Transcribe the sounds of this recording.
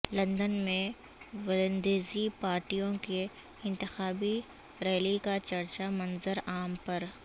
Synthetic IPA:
lɐ̃nd̪ənmẽ | ʋɪlə̃nd̪eːzipaːɾʈijõke | ɪ̃nt̪ɪxaːbi | ɾɛːlikat͡ʃɐɾt͡ʃamɐnzəɾaːmpɐɾ

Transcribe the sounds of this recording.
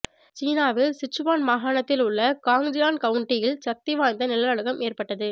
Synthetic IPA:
t͡ʃiːnaːʋɪlsɪt͡ʃːɯʋaːnmaːɣaːɳɐt̪ːɪlʊɭːɐkaːŋd͡ʒɪaːnkɐʋʊɳʈɪjɪlsɐk̚t̪ɪʋaːnd̪ɐnɪlɐɐɻɯɣɐmeːrpɐʈːɐðɯ

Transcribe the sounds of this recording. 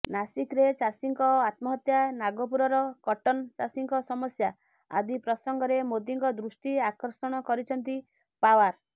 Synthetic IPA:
nasikɾet͡ʃasiŋkɔat̪mɔɦɔt̪janaɡɔp̬uɾɔɾɔkɔʈɔnt͡ʃasiŋkɔsɔmɔsja | a̰d̪ipɾɔsɔŋɡɔɾemod̪iŋkɔd̪ɾusʈiakɔɾsɔɽ̃ɔkɔɾit͡ʃʰɔnt̪i | pawaɾ

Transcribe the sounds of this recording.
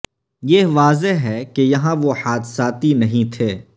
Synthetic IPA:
jeʋaːzeɦɦɛːkejɐɦãʋoħaːd̪saːt̪inɐɦĩt̪ʰeː

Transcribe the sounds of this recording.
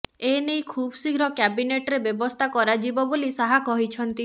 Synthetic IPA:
enejkʰubsiɡʱɾɔkjabineʈɾebjɔbɔst̪ʰakɔɾad͡ʒibɔbolisaɦakɔɦit͡ʃʰɔnt̪i

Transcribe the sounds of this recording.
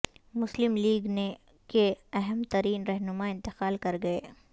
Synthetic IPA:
mʊslɪmliːɡne | keɐɦɛmt̪ɐɾiːnɾɛɦnʊmaɪ̃nt̪ɪqaːlkɐɾɡɐeː

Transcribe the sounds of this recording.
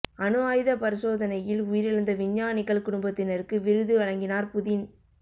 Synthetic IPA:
ɐnɯʋaːjðɐpɐɾɪsoːðɐnɐjɪlʊjɪɾɪɻɐnd̪ɐʋɪɲːaːnɪkːɐɭkʊɽʊmbɐt̪ːɪnɐɾkːɯʋɪɾɯðɯʋɐɻɐŋɡɪnaːɾpʊðɪn

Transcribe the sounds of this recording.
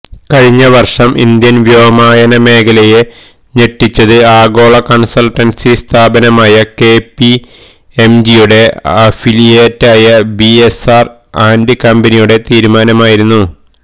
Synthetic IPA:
kɐɻiɲːɐʋɐrʂɐmʔḭnd̪jɐnʋjoːɐmaːjɐnɐme̞ːkʰɐleje | ɲeʈːit͡ɕːɐðɨaːɡo̞ːɭɐkɐnsɐlʈːɐnsist̪ʰaːbɐnɐmaːjɐke̞ːpːi | emd͡ʑijuɽe̞ɐfilijeːtːaːjɐbiesaːr | aːnɖikɐmbɐnijuɽe̞t̪iːɾumaːnɐmaːjiɾunːu

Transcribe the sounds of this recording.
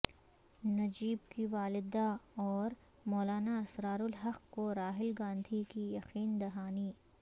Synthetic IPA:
nɐd͡ʒiːb̚kiʋaːlɪd̪aɔːɾ | mɔːlaːnaɐsɾaːɾʊlɦɐqkoɾaːɦɪlɡãːnd̪ʱikijɐqiːnd̪ɐɦaːni

